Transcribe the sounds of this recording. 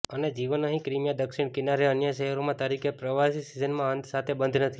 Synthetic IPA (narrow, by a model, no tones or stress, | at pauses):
əned͡ʒiʋənəɦĩkɾimjad̪əkʃiɽ̃kɪnaɾeənjəʃəɦəɾomãt̪əɾikʰepɾəʋasisizənmãənt̪sat̪ʰebənd̪ʱnət̪ʰi